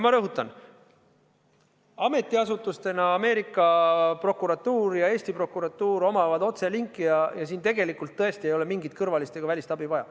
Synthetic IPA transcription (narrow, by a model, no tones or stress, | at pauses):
mɑɾɤɦut̪ːˑɑn | ɑme̞t̪ːˑiɑsut̪ːˑust̪e̞nɑɑme̞ːɾikːˑɑpro̞kːˑuɾɑt̪ːˑuːɾjɑe̞ːsʲt̪ipro̞kːuɾɑt̪ːˑuːɾo̞mɑvɑd̪o̞t̪se̞liŋkˑːijɑjɑsiːnt̪e̞ɡ̥e̞likːˑult̪ːɤe̞st̪ie̞jo̞le̞miŋɡit̪̚kɤrvɑlist̪e̞ɡ̥ɑvælʲist̪ɑbivɑjɑ̰